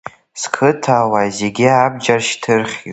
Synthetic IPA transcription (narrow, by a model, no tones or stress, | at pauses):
skʰɨtʰawajze̞ɡʲiabd͡ʒarʃtʰɨrχʲi